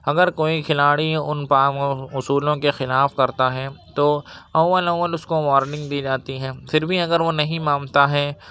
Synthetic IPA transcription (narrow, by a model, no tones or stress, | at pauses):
ɐɡəɾkoːikʰɪlaːɽiʊnpaːmʊsuːlõkexɪlaːfkɐɾt̪aɦɛt̪oːɐwːəlɐwːəlʊskoʋaːɾnɪ̃ŋɡd̪iːd͡ʒaːt̪iɦɛ̃ːfʰɪɾbʱiɐɡəɾʋonɐɦĩmãːmt̪aɦɛː